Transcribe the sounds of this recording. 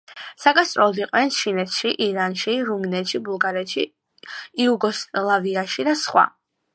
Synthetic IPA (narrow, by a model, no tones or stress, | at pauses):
saɡast̪ʼɾɔlˠɔd̪iqʼw̪ɛnsʃʰinɛt̪ʰʃiʔiɾanʃiɾuminɛt̪ʃibulˠɡaɾɛt̪ʃi | iuɡɔsʼlˠaviaʃid̪asχwa̰